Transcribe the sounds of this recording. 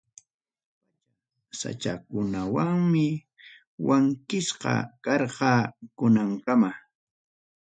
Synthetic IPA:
sa̰t͡ʃakʊnawaŋmɪ | waŋkɪsqɑ̰kɑɾqɑkʊnaŋkama

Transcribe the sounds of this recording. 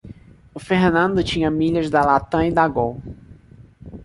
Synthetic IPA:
ʊfeɦnɐ̃nd̪ʊt͡ʃĩɲɐmiʎɐzd̪ɐlat̪ɐ̃id̪aɡõw

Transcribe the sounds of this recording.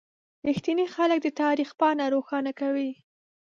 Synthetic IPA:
ɾɪxt̪inixalək̚d̪ət̪ɑɾixpɑnaɾoxɑnakawi

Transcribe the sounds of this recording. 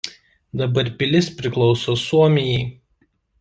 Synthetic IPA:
d̪ɐbɐɾpʲɪlʲɪspʲɾʲɪklˠɒʊsoːsuɔmʲɪjɛɪ

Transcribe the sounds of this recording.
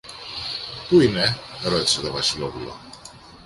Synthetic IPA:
puine̞ɾot̪i̥se̞t̪ovɐsilo̞pulo̰

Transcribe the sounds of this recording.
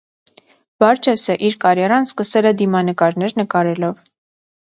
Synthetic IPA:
b̥ɑɾt͡ʃʰɛsɛʔiɾkɑɾjɑɾɑnskəsɛlɛd̪imɑnəkɑɾnɛɾnəkɑɾɛlɔv

